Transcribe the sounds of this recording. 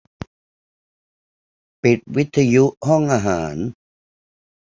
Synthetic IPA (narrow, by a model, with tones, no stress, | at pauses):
pi˨˩t̪̚wi˦˥t̪ʰːa˧ju˦˥ʔhɔ˥˩ŋʔaː˧ɦaː˩˦n